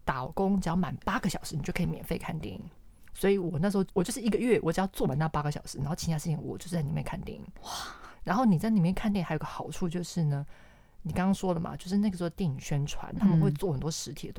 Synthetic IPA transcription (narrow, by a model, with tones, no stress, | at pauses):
t̪a˨˩kʊ˥ŋt͡ɕɑ˨˧˥ʊma˨˩npa˥ɡə˨˩ɕjɑ˨ʊʂɻ̩˧˥ni˨˩t͡ɕo˥˩kʰi˨mjɛ˨˩nfe˥˧i˨kʰa˥˧nt̪jɛ˥˩ḭ˨˩˦ŋ | swɔ˧˥i˧˩wɔ˨˩na˥˩ʂ̩˧˥xo˥˧˩wɔ˨˩t͡ɕjo˥˧ʊʂɻ̩˥˧i˧˥ɡə˧ɥɛ˥˩wɔ˧˦t͡ɕɑ˥˧t͡swɔ˥˩ma˨˩na˥˩pa˥ɡə˩ɕjɑ̰˨˩ʊʂɻ̩˧˥a˧˥xo˥˩ʊt͡ɕʰi˧˥ja˥˧ʂɻ̩˥˩t͡ɕʰi˨˩ŋwɔ̰˨˩t͡ɕjo˥˧ʊʂ̩˥˧t͡sni˨˩jɛ˥˧kʰa˥˧nt̪jɛ̰˥˩ŋḭ˨˩˦wa˩ɻa˧˥nxo˥˩ʊni˨˩t͡sa˥˩ɪni˨˩mjɛ˥˧nkʰnt̪jɛ˥˩˨xa˧˥jo˨˧˩ɡə˧xɑ˨˩ʊʈ͡ʂʰu˥˧t͡ɕjo˥˧ʊʂɻ̩˥˩nə˩ | ni˨˩kɑ˥ŋkɑ˥ŋʂwɔ˥lə˨ma̰˩t͡ɕjo˥˧ʊʂ̬ɻ̩˥˧na˥˩ɡə˩ʂt̪jɛ˥˩ŋi˨˩ŋɕɥɛ˥nʈ͡ʂʰwa̰˧˥˦nt̪ʰa˥mə˨nxwe˥˧ɪt͡swɔ˥˩xə˨˩nt̪wɔ˥ʂɻ̩˧˥t̪ʰḭ˨˩ə˩t̪w